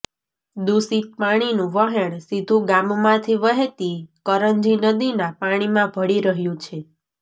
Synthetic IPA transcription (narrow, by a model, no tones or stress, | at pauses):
d̪usit̪̚paɽ̃inũʋəɦeɳ̃sid̪ʱũɡãmmãt̪ʰiʋəɦet̪ikəɾənd͡ʒinəd̪inapaɽ̃imãbʱəɽiɾəɦjũt͡ʃʰe